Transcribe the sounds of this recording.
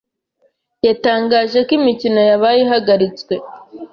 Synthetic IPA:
jataːŋɡaːʒe̞kimicino̞jaβajiɦaɡaɾit͡skwe̞

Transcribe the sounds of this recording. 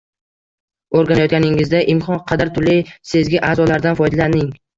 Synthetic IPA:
oɾɡʲanajɒt̪̚ɡʲanɪŋɪzd̪aʔɪmkʰɒnqʰɑd̪aɾt̪ʰʊlːɪjsezɡʲɪʔaːzɒlaɾd̪anfɒjd̪alanɪŋ

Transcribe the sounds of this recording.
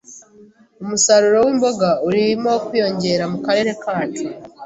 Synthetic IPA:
umusaɾuɾo̞wiːmbo̞ɡauɾimokijo̞ɲɟe̞ɾamukaɾe̞ːɾe̞kaːtu

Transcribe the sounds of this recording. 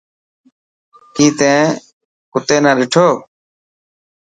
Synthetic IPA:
kiːt̪ẽː | kʊt̪eːnãːɗɪʈʰoː

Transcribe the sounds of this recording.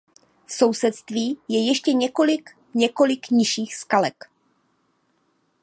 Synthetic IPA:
fsowsɛt̪st̪viːjɛjɛʃcɛɲɛkolɪk | ɲɛko̞lɪkɲɪʃiːxskalɛk

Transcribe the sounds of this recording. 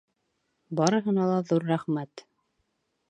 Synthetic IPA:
bɑɾɤ̆ɦɤ̆nɑlˠɑðuɾːæχmæt̪

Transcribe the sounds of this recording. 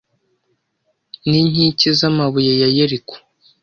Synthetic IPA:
niɲ̥icizamaβujejajeɾiku̥

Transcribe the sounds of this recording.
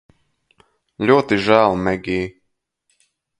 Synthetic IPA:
lʲuɔt̪iʒæːlˠmɛɡʲiː

